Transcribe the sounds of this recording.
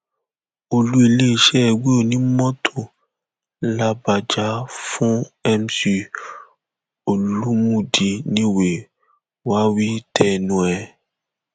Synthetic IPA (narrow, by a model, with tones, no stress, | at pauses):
o˧lu˦i˧le˦˨ʃɛ˦˨ɡ͡be˦o˨nĩ˦mɔ̃˦tʰo˨ | la˧ba˨d͡ʒa˧˦fũ˦ɛ˦m˦si˧ | o˨lu˦mũ˦˨di˧nĩ˦we˨ | wa˦wi˦tʰɛ˧˨nũ˦ɛ˨